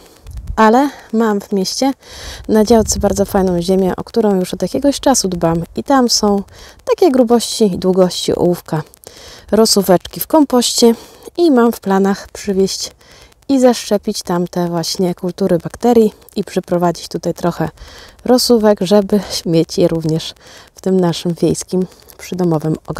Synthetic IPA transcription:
ʔalɛmamvmʲjeɕt͡ɕɛnad͡ʑawt̪sɛbaɾd̪zɔfajnɔ̃w̃ʑemʲjɛʔɔ̰kt̪uɾɔ̃w̃juʂɔd̪jakʲɛɡɔɕt͡ʂasud̪bamit̪amsɔ̃w̃t̪akʲɛɡɾubɔɕt͡ɕid̪wuɡɔɕt͡ɕḭʔɔ̰wufka | ɾɔsuvɛt͡ʂkʲifkɔmpɔɕt͡ɕɛ | imamfplanaxpʂɘvʲjɛɕt͡ɕ | izaʂt͡ʂɛpʲit͡ɕt̪amt̪ɛvwaɕɲɛkult̪uɾɘbakt̪ɛɾʲji | ipʂɛpɾɔvad͡ʑit͡ɕt̪ut̪ajt̪ɾɔxɛɾɔsuvɛɡʐɛbɘɕmʲjet͡ɕjɛɾuvɲɛʂft̪ɘmnaʂɘmvʲjejskʲim | pʂɘd̪ɔmɔvɘmɔ̰ɡ

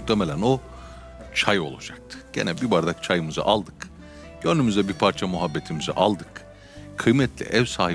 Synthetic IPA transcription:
uxt̪ʰemelʲæno̞ | t͡ʃʰajo̞̰lˠad͡ʒak̚t̪ʰɯ̥ɟ̥ḛnɛbibaɾd̪akt͡ʃʰajɯmɯzɯ̰ʔalˠd̪ɯk | ɟ̥ønymyzd̪ɛbiɾpʰaɾt͡ʃʰamuɦabːet̪ʰimizḭʔa̰lˠd̪ɯk | kʰɯjmɛt̪ʰlʲḭʔɛvsaːhi

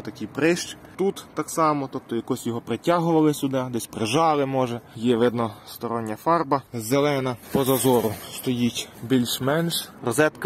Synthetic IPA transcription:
t̪ɐkʲijpɾɪʃt͡ʃt̪ut̪ːɑksɑmɔt̪ɔp̚t̪ɔjɐkɔsʲjɔɦɔpɾɪtʲɑɦʊʋɐlˠɪsʲʊd̪ɑd̪ɛsʲpɾɪʒɑlˠɪmɔʒɛjɛʋɪd̪nɔst̪ɔɾɔnʲːɐfɑrbɐzelˠɛnɐpɔzɐzɔɾʊst̪ɔjitʲbʲilʲʃmɛnʃrɔzɛt̪k

